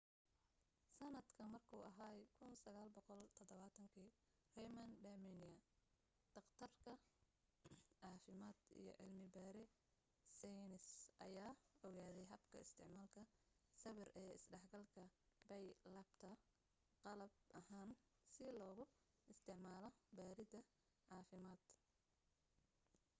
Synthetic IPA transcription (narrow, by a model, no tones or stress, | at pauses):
sɐnɐd̪kʰɐmɐrkʰuːɐɦaːkʰʊnsɐɣaːlbɔqɔlt̪ʰɔðɔβaːt̪ʰɐŋkʰiː | rɛjmɐnd̪ɐmɛnɪɐ | d̪̥ɑqt̪ʰɐrkʰɐ | ʕɑːfɪmaːd̪ḭjɞ̰ʕɪ̰lmɪbaːɾɛ | sɛjnɪsʔɐ̰jaːɔɣaːðɛjɦɐbkʰɐ̰ɪst̪ʰɪʕmaːlkʰɐsɐβɪrɛːɪ̰sɖɛħɡɐlkʰɐbɛjlɐb̥t̪ʰɐ | qɑlɐb̚ɐhaːn | sɪlɔːɣʊ | ɪst̪ʰɪʕmaːlɔbaːɾɪd̪ɐ | ʕɑːfɪmaːd̪̥